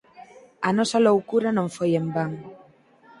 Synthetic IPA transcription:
ɐnɔsɐlowkuɾɐnõŋfojembaŋ

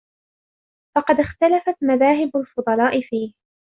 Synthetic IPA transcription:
fɑqɑd̪ɪxt̪alafat̪maðaːɦɪbalfʊd̪ˤɑlɑːʔɪfiːh

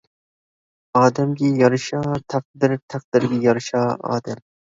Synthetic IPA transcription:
ɑːd̪ɛmɡʲijɑɾɨʃɑːt̪ʰæq̚d̪ɪɾt̪ʰæq̚d̪̥ɪɾɡʲijɑɾɨʃɑːɑ̰ːd̪ɛm

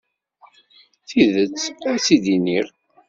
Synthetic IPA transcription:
θiðət͡sːæt͡sːid̪iniɾ

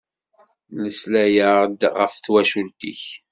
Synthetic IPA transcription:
ləslæjəʁd̪ʁəfθwæʃult̪ḭç

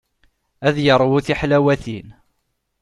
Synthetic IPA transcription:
æðjəɾˤwuθiħlæwæθin

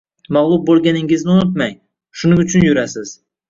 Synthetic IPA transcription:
maʁlˠʊb̚bolˠɡʲanɪŋɪznɪʊnʊt̪maj | ʃʊnɪŋʊt͡ʃʰʊnjʊɾasɪz̥

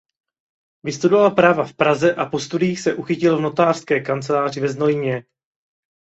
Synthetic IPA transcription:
vɪst̪udovalpɾaːvafpɾazɛʔapo̞st̪udiːxsɛʔuxɪcɪlvno̞t̪aːr̥skɛːkant͡sɛlaːr̝ɪvɛznojɲɛ

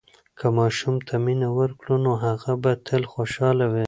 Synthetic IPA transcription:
kʰəmɑʃumt̪ʰaminawəɾkɽunoɦaɣabat̪ʰəlxoʃɑlawi

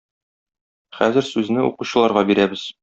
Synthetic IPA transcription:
χæ̰zɘ̆ɾsʉznɘṵquɕɤ̆lˠɑɾʁɑbiɾæbɘz

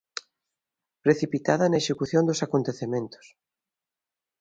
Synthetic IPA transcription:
pɾeθipit̪aðɐnɐeʃekuθjond̪ʊsakont̪eθemẽnt̪ʊ̥s

